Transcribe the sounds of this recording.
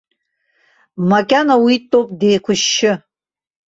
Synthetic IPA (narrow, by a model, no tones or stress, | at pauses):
makʲʼanawitʼowpʼde̞jkʷʰʊʃːɪ